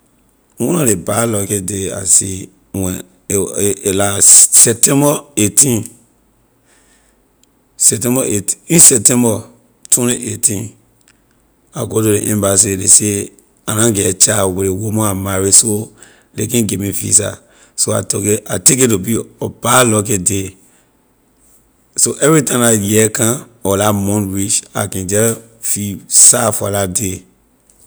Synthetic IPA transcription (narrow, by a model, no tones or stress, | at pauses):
wɔ̃nɔlebalɔkedea̰sḭ | wɛ̃ | lasɛp̚tɛ̃mbɔetĩn | sɛtɛ̃mbɔʔetiĩnsɛp̚tɛ̃mbɔ | tʰwɛ̃niʔetʰĩn | a̰ɡotoɾeʔɛ̰̃mbas̬elese | anãɡɛt͡ʃawelewomɔ̃amaɹiso | lekɛ̃ɡemifḭsa̰ | soa̰tɔkeatek̬etubiɔbalɔk̬ɛde | soʔɛvɹitãmajɛkãɔlamɔ̃nɹit͡ʃa̰kɛ̃nd͡ʒɛ | fisafɔlade